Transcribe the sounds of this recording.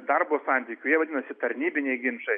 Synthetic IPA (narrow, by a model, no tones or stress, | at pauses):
d̪ɑrboːsɑˑnʲt̪ʲiːkʲʊjiɛʋɐd̪ʲɪnɐsʲɪt̪ɐɾʲnʲiːbʲɪnʲɛɪɡʲɪmʃɐɪ